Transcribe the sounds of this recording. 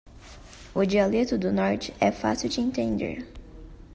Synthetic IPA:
ʊd͡ʒialet̪ʊd̪ʊnɔɾt͡ʃɪ̥ɛfa̰siwd͡ʒɪẽt̪ẽnd̪ḛɾ

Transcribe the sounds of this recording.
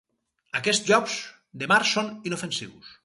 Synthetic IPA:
akest̪ʒɔpz | d̪emaɾsoninofensḭβṵs

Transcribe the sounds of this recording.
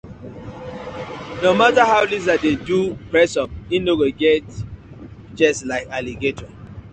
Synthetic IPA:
nomataɦaʊliz̬adedupɹɛsɔp̚inoɡoɡɛt | d͡ʒɛslaɪkaliɡetɔ

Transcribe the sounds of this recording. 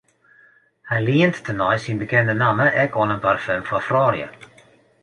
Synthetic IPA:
hɛjliəntːʰənɔjsinbəkɛndənaməʔɛkʰɔnənparfømfɔfrɔːrjə̰

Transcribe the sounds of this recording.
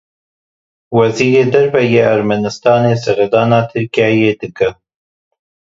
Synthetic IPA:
wɐziːɾeːd̪ɐɾvɛjeːʔæɾmanɨst̪ɑːneːsɨɣed̪ɑːnɑːt̪ʰɨɾkijɑːjeːd̪ɨkə

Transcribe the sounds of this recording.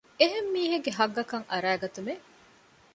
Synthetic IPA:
eɦemːiːɦeɡːeɦɐɡːɐkɐŋɐɾæːɡɐt̪ume

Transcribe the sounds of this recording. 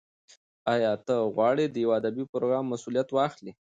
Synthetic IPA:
ɑjɑt̪əɣwɑɽed̪əjawad̪abipɾoɡɾɑmːasulijat̪wɑxli

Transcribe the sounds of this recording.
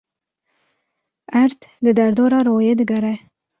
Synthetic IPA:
aɾt̪ləd̪aɾd̪oɾɑɾojed̪əɡaɾa

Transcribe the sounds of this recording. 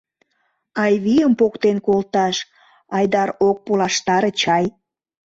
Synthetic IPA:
ɑjβijəmpokt̪enkolt̪ɑʃ | ɑjd̪ɑɾok̚pulɑʃt̪ɑɾət͡ɕɑj

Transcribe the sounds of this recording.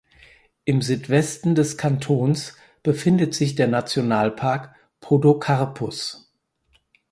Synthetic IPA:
ʔɪmzyːtv̥ɛstn̩dɛskʰantʰoːns | b̥əfɪndətz̥ɪçd̥eːɐnat͡sjonaːlpʰaɐk | pʰodokʰaɐpʰʊs

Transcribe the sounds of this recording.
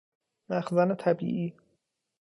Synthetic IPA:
mæxzɒːnet̪ʰæbḭːʔiː

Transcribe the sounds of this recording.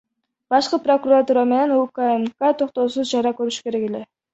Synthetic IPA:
b̥ɑʃqɯpro̞kuɾat̪uːɾame̞ne̞nukaemkat̪ʰo̞qt̪o̞suzd͡ʒɑɾɑkøɾyʃy̥ke̞ɾe̞ke̞le̞

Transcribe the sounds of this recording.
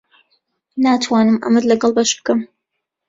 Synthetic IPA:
naːt̪ʰwaːnɨmʔɐ̰mɨd̪lɐɡɑlˠbɐʃb̥̚kɨm

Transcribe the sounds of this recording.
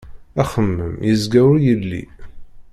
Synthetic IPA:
æχəmːə̰mjəzɡæwɾjəlːḭ

